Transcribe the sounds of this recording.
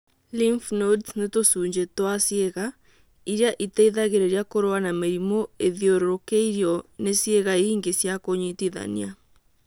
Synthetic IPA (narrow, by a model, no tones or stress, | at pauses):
limfnodsnetosuːɲd͡ʒetowasjeɣa | iɾeaʔitɛiðaɣeɾeɾiakoɾoanameɾimoeðjoɾoɾokeiɾiɔnesjeɣaeiŋɡesjakoɲitiða̰nia